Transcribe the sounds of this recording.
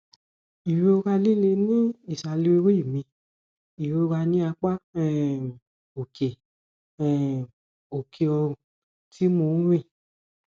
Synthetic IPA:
i˨we˧o˧ɾa˧li˦le˧nĩ˦i˦˨sa˧li˦we˧˦we˦i˦˨mĩ˧ | i˨ɾe˧o˧ɾa˧nĩ˦a˧k͡pa˦ɛ˦˨ | o˨kʰe˨ | ɛ̃˨ | o˨kʰe˨ɔ˧ɾũ˨ | ti˦mõ˧˦ɾĩ˦˨

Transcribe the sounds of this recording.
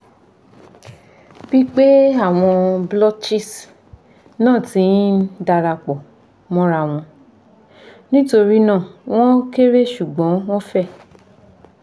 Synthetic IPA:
b̥i˦k͡pe˦a˦˨w̃ɔ̃˧blɔ˦t͡ʃi˦s | nãː˦˨tĩ˨˦da˧ɾa˧k͡pɔ˨ | mɔ̃˦ɾa˧w̃ɔ̃˧ | nĩ˦to˧ɾi˦nã˦˨w̃ɔ̃˦ke˦ɾe˦˨ʃu˨ɡ͡bɔ̃˨˦w̃ɔ̃˦fɛ˦˨

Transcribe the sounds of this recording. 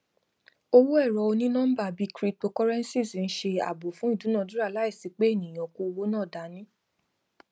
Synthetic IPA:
o˧wo˦ɛ˦˨ɾɔ˧o˧nĩ˦nɔ̃˦n̩˦ba˦˨bi˦kɾi˦k͡po˧kɔ˦ɾɛ˦n̩˦si˦˨sn̩˦ʃe˧a̰˨bo˨fũ˦i˦˨dũ˨˦nã˦˨du˦ɾa˦˨la˨˦i˦˨si˨˦k͡pe˦e˦˨nĩ˨j̃ɔ̃˨ko˧wo˦nãː˦˨da˨˦nĩ˦

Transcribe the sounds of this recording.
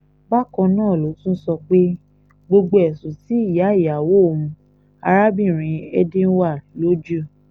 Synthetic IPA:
ba˦kɔ̃˧nãː˦˨lo˨˦tũ˦n̩˦sɔ˧k͡pe˦ | ɡ͡bo˧ɡ͡bo˧ɛ˨sũ˨ti˨˦i˦˨ja˨˦i˦˨a˨wo˦˨mũ˧ | a̰˧ɾa˦bĩ˦˨ɾ̃ĩ˨˧ɛ˦dĩ˦n̩˦wa˦˨lo˦d͡ʒo˦˨

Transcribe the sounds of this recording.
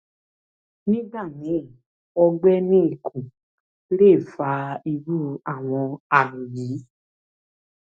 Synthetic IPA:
nĩ˦da˦˨nĩ˨˦˨ | ɔ˧ɡ͡bɛ˦nĩ˦i˦˨kʰũ˨ | le˦˨fa˨˧i˧ɾu˦a˦˨w̃ɔ̃˧a˨ɾũ˨ji˨˦

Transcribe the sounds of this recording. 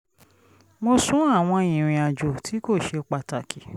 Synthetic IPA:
mo˧sũ˦a˦˨w̃ɔ̃˧ĩ˨ɾ̃ĩ˨a˨d͡ʒo˨tʰi˨˦ko˦˨ʃe˧k͡pa˧ta˨kʰi˨

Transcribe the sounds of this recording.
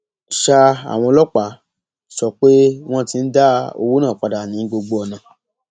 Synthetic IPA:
ʃa˧a̰˨w̃ɔ̃˧lɔ˦k͡pa˨˦ | sɔ˨k͡pe˦w̃ɔ̃˦ti˧n̩˦da˦o̰˧wu˦nãː˦˨k͡pa˨˧da˨nĩ˨˦ɡ͡bo˧ɡ͡bo˧ɔ˧˨nã˨

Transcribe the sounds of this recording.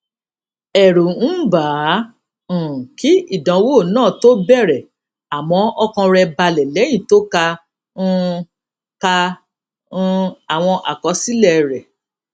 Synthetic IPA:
ɛ˨ɾu˨n̩˦bãː˨˦˨ | ki˦i˦˨dã˨˦woː˦˨nãː˦˨to˦bɛ˦˨ɾɛ˨ | a˨mɔ̃˧˦ɔ˧kã˧ɾɛ˧ba˧lɛ˨lɛ˨˦j̃ĩ˦˨to˦kã˧˦ | kã˧˦ | a˨w̃ɔ̃˧ʔa̰˨kɔ˨˧˦si˦lɛ˦˨ɾɛ˨

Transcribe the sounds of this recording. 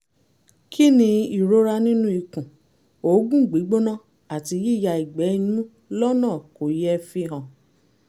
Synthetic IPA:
kʰi˦nĩ˧i˦˨ɾo˦ɾa˧nĩ˦nũ˦i˧kũ˨ | o˨˦ɡũ˦˨ɡ͡bi˨˦ɡ͡bo˦nã˦˨ | a˨ti˧ji˦˨ja˧i˨ɡ͡bɛ˨˦ĩ˦˧nũ˦ | lɔ˦nãː˦˨ko˨jɛ˦fi˧ɦã˨

